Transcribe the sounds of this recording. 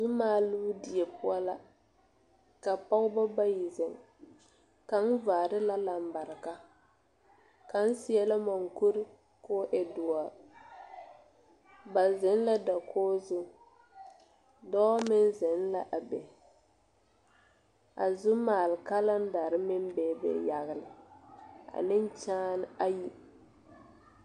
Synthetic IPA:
zu˦maː˦lu˦di˨ɛ˨pʊ˦a˦la˦ | ka˨pa˦ɣʊ˦ba˦ba˦ji˨zɪ˨ŋ | ka˨n̩˦vaː˨ɾɪ˦la˦la˨m˨ba˨ɾɪ˨ka˦ | ka˨n̩˦si˦ɛ˦la˦ma˨ŋ˨ku˦ɾɪ˦ | koː˦ʔɛ˨dʊ˨a˨ | ba˨zɪ˨˦n˦la˦da˨kʰoː˦zʊ˦ | dɔ˦mɪ˦n˦zɪ˨n˦la˦ʔa˨bɛ˨ | a̰˨zu˦maː˨lka˦la˦n˦da˨ɾɪ˦mɪ˦m˦bɛ˨bɛ̰˨ja˨ɣɪ˨lɪ˨ | a̰˨nɪ˦n˦t͡ʃaː˦n˦a˦ji˦

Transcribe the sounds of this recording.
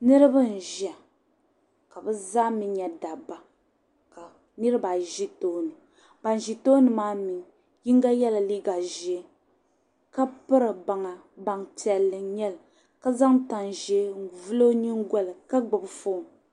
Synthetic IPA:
nɨ˦ɾɨ˦bɨ˦n̩˨ʒɛ˨ | ka˨bɨ˦zaː˦mi˨ɲɛ˨da˨ba˨ | ka˨ | nɨ˦ɾɨ˦ba˨ʒi˦toː˦nɨ˨ | ba˨n˨ʒi˨toː˦nɨ˨maː˦mi˨ŋ | ji˦ŋ˦ɡa˦jɛ˦la˨li˦ɡa˨ʒɛ˨˦ | ka˦pɨ˦ɾɨ˨ba˨ŋa˨ | ba˨ŋti˨ɛ˨lːɨ˨ɲɛ˦lɨ˨ | ka˦za˦ŋta˨nʒɛ˦n̩˨vu˦lo˦ɲi˦ŋ˦ɡɔ˦lɨ˨ka˦ɡ͡bɨ˨bfoː˦˨

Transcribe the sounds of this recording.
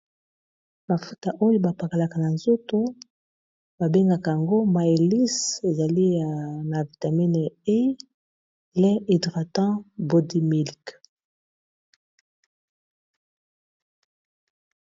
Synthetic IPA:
ma˨fu˦ta˨ʔo˦jo˦ba˨pa˨ka˨la˨ka˨na˨nzo˦to˦ | ba˨be˦ŋɡa˨ka˨ja˨ŋɡo˦ma˨e˨li˦se˨za˨li˦a˨na˨vi˨ta˨mi˦n˨e˦ | lɛ̃˦ʔi˨dʁa˨tɑ̃˦bo˨di˦me˨li˨k

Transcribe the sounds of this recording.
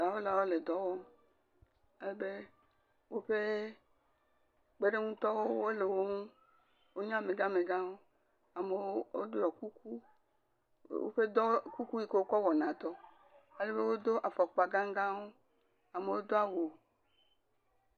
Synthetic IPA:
a˨wo˦la˨wo˦le˨d̪ɔ˦wɔ˦m | e˦le˦be˦ | wo˦ɸe˦ | ɡ͡be˦ɖe˦ŋũ˦t̪ɔ˦wo˦wo˦le˨wo˦ŋũ˦ | wo˦ɲã˦˨mẽ˨ɡã˦me˨ɡã˦wo˦ | a˨me˨˦wo̰˦dɔ˨ku˦k̚u˦ | wo̰˦ɸe˦d̪ɔ˦ku˦ku˦ji˦ke˦wo˦kɔ˦wɔ˨nã˨d̪ɔ˦ | e˦le˦be˦wo˦d̪o˦ʔa˨fɔ˨k͡po˨a˨ɡã˦ŋ˦ɡã˦wo˦ | a˨me˨wo˦d̪o˦a˨wo˨

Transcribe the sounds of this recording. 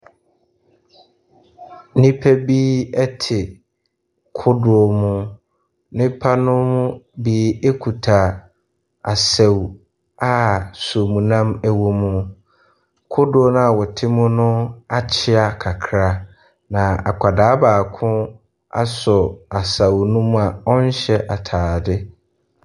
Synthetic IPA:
nĩ˦pʰɛ˦biː˦ɛ˦tʰɪ˨ | kʰʊ˦dʊ˨ɔ˦˨mʊ̃˦ | nɪ̃˦pʰa˦nʊ̃˦mʊ̃˦biː˦e˦kʰu˨tʰa˨ | a˨sa˨w | a˦so˨mũ˨nã˦mæ˨wo˦mũ˦ | kʰʊ˦dʊ˦o˦nʊ̃˦a˨wɔ˨tʰɪ˦mʊ̃˦nʊ̃˦a˨t͡ɕʰɪ˦a˨kʰa˨kʰɾa˦ | nã˨a̰˨kʰʷa˨daː˨˦baː˨kʰʊ̃˦ | a̰˦sɔ˨a˨sa˨wnʊ̃˦mũ˦a˨ɔ˦n˦ɕɛ˦ʔa˨tʰaː˨dɪ˦

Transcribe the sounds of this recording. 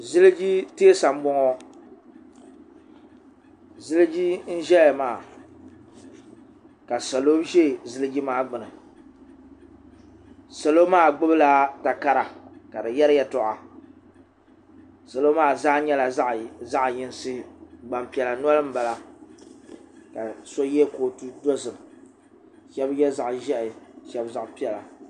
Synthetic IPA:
zɨ˦lɨ˦d͡ʒi˦teː˦sa˨m˦bʊ˦ŋɔ˦ | zɨ˦lɨ˦d͡ʒi˦n̩˦ʒɛ˦la˨maː˦˨ | ka˨sa˨lo˦ʒe˦˨zɨ˦lɨ˦ɡi˦maː˦ɡ͡bɨ˨nɨ˨ | sa˨lo˦maː˦˨ɡ͡bʊ˦bɨ˦la˦ta˨ka˦ɾa˨ka˨dɨ˨jɛ˦ɾɨ˦jɛ˦tɔ˨ʔa˨ | sa˨lo˦maː˦˨zaː˦ɲɛ˦la˨˦ʔza˦ʔjɪ˦n˦sɨ˦ɡ͡ba˨mpi˨ɛ˨la˨nwɔ˦lɨ˦m̩˦ba˨la˨ | ka˨so˦jɛ˦koː˨tu˦do˦zɨ˨m | ʃɛ˦bjɛ˦za˨ʔʒɛ˦ʔɪ˨ʃɛ˨bza˨ʔpi˦ɛ˨la̰˨

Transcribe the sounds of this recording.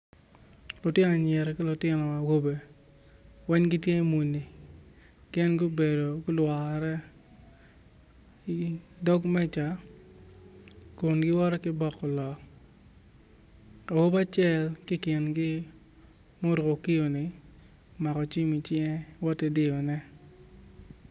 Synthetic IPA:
lʊ˨tɪ˦n˨a˨ɲɛ˨ɾki˦lʊ˨tɪ˦nɔ˨a˨wo˦be˨ | wɛ˦ɲɡi˦tje˦mu˨nːi˨ | kɛ˦nɡu˦be˨do˨ɡʊ˦lwa˨ɾɛ˦ | i˨dɔ˦ɡmɛ˦t͡ʃa˨ | kʊ˨nɡɪ˦wɔ˦ɾɔ˦kɪ˦bɔ˦˨kːɔ˨lɔ˨k | a˨wo˦ba˦t͡ʃɛ˦˨lkɪ˦kɪ˨nɡɪ˦ | mo˦ɾko˨ki˦jo˨nɪ˨ | ma˨kɔ˨t͡ʃi˦mi˨t͡ʃjɛ˦wɔ˦tːɛ˦dɪ˦ɔ˨nɛ˦

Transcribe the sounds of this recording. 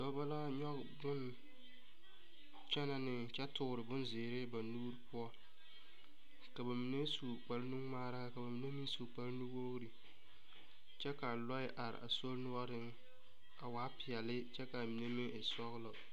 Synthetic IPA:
dɔ˨˦ba˦la˦ɲɔ˦k | bʊ˦n | t͡ʃɛ˦na˨nɪ˨t͡ʃɛ˦tʰʊ˨ɾɪ˨bʊ˦nzɪː˨ɾɪ˦ba˨nuː˦ɾpʊ˦ɔ˦ | ka˨ba˨mi˨ne˦su˨k͡pa˨lnu˦ŋmaː˦ɾa˦a˦˨ka˨ba˨mi˨ne˦mi˦n˦su˨k͡pa˦lnu˦ɡo˦ɣɾi˨ | t͡ʃɛ˦ka˨lɔ˦ɪ˦ʔa˨ɾɪ̰˨ʔa̰˨so˦lnʊ˦ɔ˦ɾɪ˦ŋ | a˨waː˨˦pɪ˨ɛ˨lɪ˦t͡ʃɛ˦ka˨mi˨ne˦mi˦ŋʔɪ˨sɔ˦ɣlɔ˨

